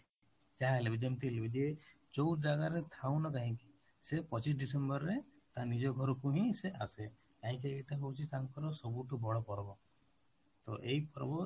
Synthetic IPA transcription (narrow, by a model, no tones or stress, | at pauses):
d͡ʒalebid͡ʒemt̪ilebid͡ʒe | t͡ʃɔwʈd͡ʒaɡaɾet̪ʰaw̃nɔkaɦĩki̥ | sepɔt͡ʃis̬ɖisembɔɾːet̪anid͡ʒɔɡʱɔɾɔkuɦĩseʔase | kaɦĩk̬ieʈaɦowt͡ʃʰit̪amkɔɾɔsɔbuʈubɔɽɔpɔɾɔbɔ | t̪ɔ̰ʔejpɔɾbɔ